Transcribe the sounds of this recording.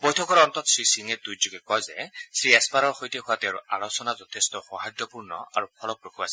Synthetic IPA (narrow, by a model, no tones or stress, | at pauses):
bojtʰɔkɔɹɔntɔtsɹisiŋɛdujzuɡɛkɔjzɛ̰sɹiɛspaɾɔɹxojtɛhʊwatɛaɹṵʔalɔsɔnazɔt̪ʰestɔxɔɦajdɔpuɹnɔ̰aɹupʰɔlɔk̚ɹokʰuasɛ